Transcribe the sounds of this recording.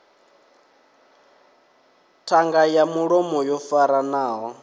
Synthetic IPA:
tʰaŋɡajamuɺɔmɔjɔfaɾanaːwɔ

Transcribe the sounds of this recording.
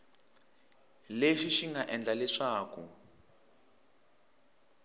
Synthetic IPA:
leʂiʃiŋɡaʔɛnd͡ɮalɛʂaːkṵ

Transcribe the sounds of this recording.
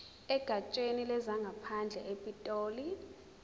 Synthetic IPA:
ɛɡ̥ʱat͡ʃʼwenilɛzaŋɡʱapʰand͡ɮʱɛʔepʼitʼoːli

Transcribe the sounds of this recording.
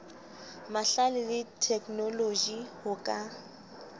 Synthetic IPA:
maɬalɪlɪtʰɛkʼnolod͡ʒihʊkʼa

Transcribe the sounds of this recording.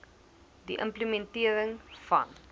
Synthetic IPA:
diʔə̰mpləmentiəɾəŋfɐ̰n

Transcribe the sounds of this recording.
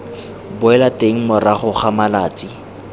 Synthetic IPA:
bʊɛlateŋ̩mʊraχʊχamalaːt͡sʼi

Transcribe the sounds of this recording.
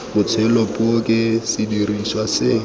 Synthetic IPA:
bʊt͡sʰwɛlɔpʼʊkʼɪsidiriʃwasɪ

